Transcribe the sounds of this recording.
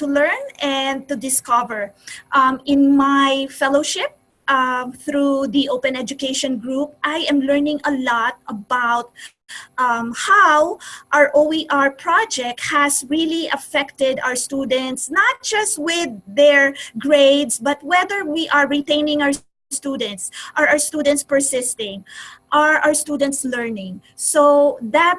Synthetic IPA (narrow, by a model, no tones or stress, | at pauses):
t̪ulɛɹnɛ̃nd̪̚t̪ud̪ɪskʌvɛɹʔmɪ̃nmajfɛloʊʃɪp̚ | θɾuðiʔoʊpɛ̃nɛd͡ʒʊkeɪʃɔ̃nɡɹup̚ʔajɛ̃mlɛɹnɪ̃ŋɐlɔt̪̚ɐbaʊt̪̚ | ʔmhawʔaɹʔoiʔaɹpʰɹɑd͡ʒɛk̚t̪̚hæsɹiliʔɐfɛkt̪ɛd̪a̰wəɹst̪ud̪ɛ̃nt̪snat̪̚d͡ʒ̥ʌst̪̚wɪdːɛɹɡɹeɪd̪sbɐt̪̚wɛðəɹwiʔaɹɹit̪ẽɪ̃nɪ̃ŋawə | st̪ud̪ɛ̃nt̪sʔaɹawəɹst̪uːd̪ɛ̃nt̪spəɹsɪst̪ɪ̃ŋʔaɹawəɹst̪uːd̪ɛ̃nt̪slɛɹnɪ̃ŋ | soðæt̚